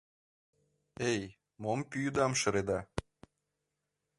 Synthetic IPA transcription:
ej | mompyjud̪ɑmʃɤ̆ɾed̪ɑ

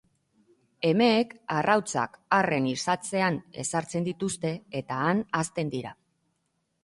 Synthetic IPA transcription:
e̞me̞ːkarʔawt͡sa̰kare̞nisat͡se̞ane̞̰saɾt͡se̞nd̪it̪ust̪e̞et̪aːnast̪e̞nd̪iɾa

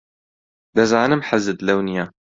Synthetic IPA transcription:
d̪ɐzaːnɨmħazɨd̪lɐwnijaː

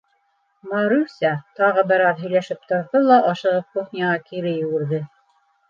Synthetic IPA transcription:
mɑɾusʲɑt̪ɑʁɤbɘɾɑðɦɵ̆jlæʃɘp̚t̪ŏɾðɤlˠɑʔɑʃɤ̆ʁɤp̚kuχnʲɑʁɑkiɾɘjɘ̆wɘ̆ɾðɘ

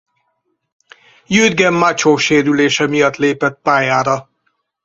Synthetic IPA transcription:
jyːd̪ɡɛmːat͡ʃoːʃeːɾyleːʃɛmijɒt̪leːpɛt̪̚paːjaːɾɒ

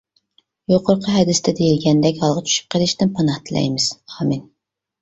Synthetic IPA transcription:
joqʰʊɾqʰəɦɛd̪ɪst̪ɛd̪ejilɡʲɛnd̪ɛkʲɑlˠʁɑt͡ʃʰy̥ʃy̥p̚qʰəlˠɪʃt̪ɪnpʰɑnɑht̪ʰɨlɛ̰jmɪz̥hɑmɪn

